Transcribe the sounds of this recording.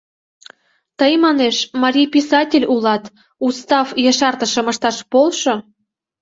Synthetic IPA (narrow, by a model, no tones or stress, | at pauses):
t̪əjmɑneʃmɑɾʲijpʲisɑtʲelʲulɑt̪ | ust̪ɑfjəʃɑrt̪ə̆ʃə̆məʃt̪ɑʃpolʃo